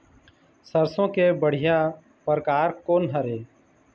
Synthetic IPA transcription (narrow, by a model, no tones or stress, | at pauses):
səɾsõːkebəɽ̤ɪja | pɾəkaːɾkoːnɦəɾeː